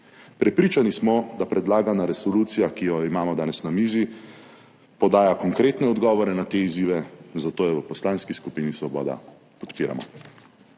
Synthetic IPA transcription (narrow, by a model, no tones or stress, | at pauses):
pɾɛpɾit͡ʃanismɔd̪apɾɛd̪laːɡanaɾɛsɔluːt̪sijakijɔimaːmɔd̪aːnɛsnamiːzi | pɔd̪aːjakɔŋkɾeːt̪nɛɔd̪ɡɔːʋɔɾɛnat̪eiziːʋɛzat̪oːjɛʋəpɔslaːnskiskupiːnisʋɔbɔ̰ːd̪a̰ | pɔ̥t̪piːɾa̰mɔ̰